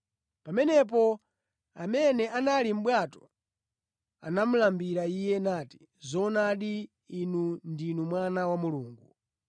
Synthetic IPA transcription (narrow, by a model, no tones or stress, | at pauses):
pamɛnɛp̬ɔ | amɛnɛʔanalim̩ɓwatɔ̥ | a̰nam̩lambiɾaijɛnati̥ | zɔnaɗiː | nundinumwanawamuluːŋɡu